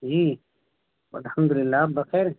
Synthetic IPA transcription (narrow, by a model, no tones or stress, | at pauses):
d͡ʒiː | wɐlhɐmd̪ulɪlːaːbɐqeːɾ